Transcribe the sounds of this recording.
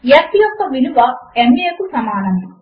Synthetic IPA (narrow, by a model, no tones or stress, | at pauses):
jɐt̪ːijot̪ːɐʋiluʋɐemekusɐmaːnɐmi